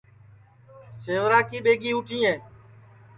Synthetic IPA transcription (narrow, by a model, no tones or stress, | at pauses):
seːʋɾaːkiːɓeːɡiːʊʈʰĩːẽː